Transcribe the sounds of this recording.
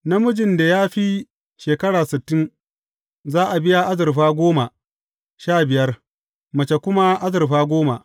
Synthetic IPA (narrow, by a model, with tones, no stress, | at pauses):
na˦mʊ˦d͡ʒɪ˨nda˨jaː˦ɸi˦ | ʃeː˨kɐ˦ɽaː˨sɪ˨tːɪ˦n | zaː˦ʔa˨bɪ˦ja˦ʔa˦zɐ˨rɸaː˦ɡʷoː˦ma˨ | ʃaː˦˨bɪ˨jɐ˦r | mɐ˨t͡ʃe˨kʷʊ˦ma˦ʔa˦zɐ˨rɸaː˦ɡʷoː˦ma̰˨ʔ